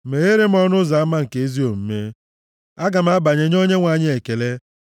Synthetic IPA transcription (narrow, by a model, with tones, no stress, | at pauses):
me˨ɣe˦ɾe˦m̩˦ɔ˦nʊ˦za˨a˦ma˦ŋ̩˨ke˨˦e˦zi˦o˨m̩˦me˦ | a˦ɡa˨m̩˦a˦ba˨ɲe˨ɲ˦o˦ɲe˦ŋʷa˨ɲɪ˦e˨ke˨le˦